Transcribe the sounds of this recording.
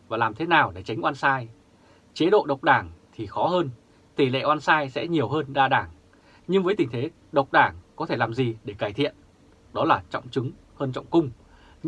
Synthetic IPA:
vaː˨˩laː˨˩mt̪ʰe˨˦naː˨˩wɗe˧˩t͡ɕa˨˦ŋ̟ʔwaː˧nsaː˧j | t͡ɕe˨˦ɗo̰˧˨ɗə˨˩wk͡p̚ɗaː˧˩ŋt̪ʰi˨˩xɔ˨˦ɦəː˧n | t̪i˧˩lḛ˧˨ʔwaː˧nsaː˧jsɛ̰˧˥ɲi˨˩əwɦəː˧nɗaː˧ɗaː˧˩ŋ | ɲɨ˧ŋvəː˨˦jt̪ï˨˩ŋ̟t̪ʰe˨˦ | ɗə˨˩wk͡p̚ɗaː˧˩ŋkɔ˨˦t̪ʰe˧˩laː˨˩mzi˨˩ɗe˧˩kaː˧˩jt̪ʰḭ˧˨ən | ɗɔ˨˦laː˨˩t͡ɕɔ̰˧˨wŋ͡mt͡ɕɨ˨˦ŋ | həː˧nt͡ɕɔ̰˧˨wŋ͡mkʊ˧ŋ͡m

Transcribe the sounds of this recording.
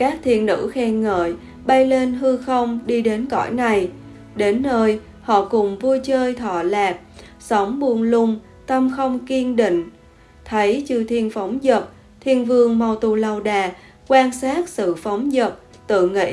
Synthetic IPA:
kaː˦˥k̚t̪ʰḭ˧˨ənːɨ̰˧˥xɛ˧ŋə̰ː˧˨j | ɓa˧jle˧nɦɨ˧xə˧wŋ͡mɗi˧ɗe˨˦nkɔ̰˧˩jna˨˩j | ɗe˨˦nːəː˧j | hɔ̰˧˨kʊ˨˩ŋ͡mvu˧jt͡ɕəː˧jt̪ʰɔ̰˧˩laː˨˩p̚ | sə˨˦wŋ͡mɓu˨˩ənlʊ˧ŋ͡m | t̪ə˧mxə˧wŋ͡mki˧ənɗḭ˧˨ŋ̟ | t̪ʰə˨˦jt͡ɕɨ˧t̪ʰi˧ənfa˨˦wŋ͡mzə˨˩p̚ | t̪ʰi˧ənvɨ˧əŋma˨˩wt̪u˨˩la˧˩wɗaː˨˩ | kwaː˧nsaː˦˥t̚sɨ̰˧˨fa˨˦wŋ͡mzə˨˩p̚ | t̪ɨ̰˧˨ŋḭ˧˥

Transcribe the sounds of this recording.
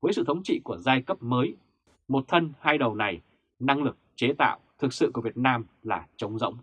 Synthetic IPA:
vəː˨˦jsɨ̰˧˨t̪ʰə˨˦wŋ͡mt͡ɕḭ˧˨ku˧˩əzaː˧jkə˦˥p̚məː˨˦j | mo˨˩t̚t̪ʰə˧nhaː˧jɗə˨˩wna˨˩j | na˧ŋlɨ˨˩k̚t͡ɕe˨˦t̪a̰ː˧˨wt̪ʰɨ˨˩k̚sɨ̰˧˨ku˧˩əvi˨˩ət̚naː˧mlaː˨˩t͡ɕə˨˦wŋ͡mzə̰˧˥wŋ͡m

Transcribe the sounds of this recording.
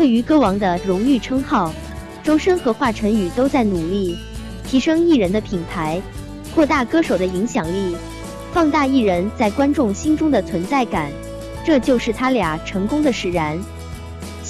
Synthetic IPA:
we˥˩ɪy˧˥kɤ˥wɑ˧˥ŋd̪ə˧ɻʊ˧˥ŋy˥˩ʈ͡ʂʰɤ˥ŋxɑ˥˩ʊ | ʈ͡ʂo˥ʊʂə˥nxɤ˧˥xwa˥˩ʈ͡ʂʰə˧˥ŋy˨˩t̪o˥ʊt͡sa˥˩ɪnu˨˩li˥˩ | t̪ʰi˧˥ʂɤ˥ŋi˥˩ɻə˧˥nd̪ə˧pʰi˨˩npʰa˧˥ɪ | kʰwɔ˥˧t̪a˥˩kɤ˥ʂo˨˩ʊd̪ə˦i˧˥ŋɕjɑ˨˩ŋli˥˩ | fɑ˥˧ŋt̪a˥˧i˥˩ɻə˧˥nt͡sa˥˩ɪkwa˥nʈ͡ʂʊ˥˩ŋɕi˥nʈ͡ʂʊ˥ŋd̪ə˨t͡sʰwə˧˥nt͡sa˥˩ɪka˨˩˦n | ʈ͡ʂɤ˥˧t͡ɕjo˥˧ʊʂɻ̩˥˩t̪ʰa˥lja˨˩ʈ͡ʂʰɤ˧˥ŋkʊ˥ŋd̪ə˨ʂɻ̩˨˩ɻa˧˥n

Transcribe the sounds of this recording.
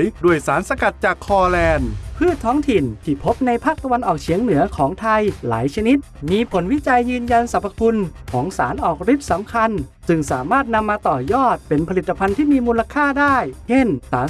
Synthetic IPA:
jdu˧˩əjsaː˩˦nsa˧ka˨˩t̪̚t͡ɕaː˨˩kʰːɔː˧lɛː˧npʰɯː˥˩tt̪ʰːɔː˦˥ŋt̪ʰi˨˩nt̪ʰiː˧˩pʰo˦˥p̚na˧jpʰaː˥˩k̚t̪a˧wa˧nʔɔː˨˩k̚t͡ɕʰiː˨˩˦əŋnɯ˩˦ɐkʰɔː˩˦ŋt̪ʰa˧jla̰ː˩˦jt͡ɕʰa˧ni˦˥t̪̚miː˧pʰo˩˦nwi˦˥t͡ɕa˧jːɯː˧nja˧nsa˨˦˩pʰːa˧kʰu˧nkʰɔː˩˦ŋsaː˩˦nʔɔː˨˩k̚ɾi˦˥p̪̚sa˩˦mkʰa˧nsɯ˧˩ŋsaː˩˦maː˥˩t̪̚na˧mːaː˧t̪ɔː˨˩jɔː˥˩t̪̚pe˧npʰa˧li˨˩t̪ːa˧pʰa˧nt̪ʰiː˥˩miː˧muː˧la˧kʰaː˥˩daː˥˩jt͡ɕʰe˥˩nsaː˨˩˦

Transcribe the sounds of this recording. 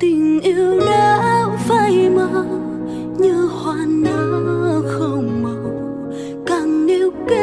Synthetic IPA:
t̪ï˨˩ŋ̟ʔi˧wɗa˨˧˦vaː˧˩jmə˧˦˨ | ɲɨ˧hwaː˧˩nə˨˦˩xə˧˩wŋ͡mma˨w | kaː˨˩ŋne˧˦wke˦

